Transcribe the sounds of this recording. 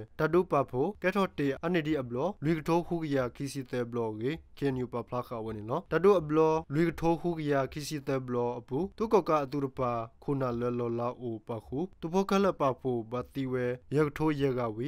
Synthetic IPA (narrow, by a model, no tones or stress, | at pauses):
d̥adopapʰokɛtʰɔteʔanediʔəblɔlwikətʰohukəjakʰisit̪ɛblɔɡikʰeɛnjupapʰlakawɛnilɔd̥adoʔəblɔlwikətʰohukəjakʰisit̪ɛbəlɔʔəput̪ukɔkaʔət̪̬uɾəpakʰonalwɛlɔlaʔopakʰuupʰokʰɛlɛʔpapʰobat̪iwɛjɛkətʰojɛɡawi